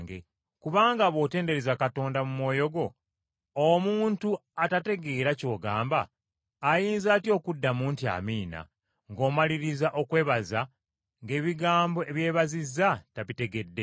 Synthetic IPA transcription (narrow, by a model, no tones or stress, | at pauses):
ŋɡḛ | kuβaːŋɡaβo̞ːte̞ːnde̞ɾezakato̞ːndamumwo̞ːjo̞ɡo̞ː | muːntuatate̞ɡe̞ːɾaco̞ːɡaːmbaː | jiːnzaːtio̞ːkudːamuːntia̰miːna̰ | ŋɡo̞ːmaliɾizaʔo̞kwe̞ːβaza | ŋɡe̞ːβiɡaːmbo̞e̞βje̞ːβazizːataβite̞ɡe̞dːe̞